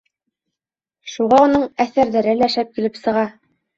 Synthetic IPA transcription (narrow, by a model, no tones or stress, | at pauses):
ʃuʁɑonɤɴæθæɾðæɾɘlæʃæp̚kilɘpsɤ̆ʁɑ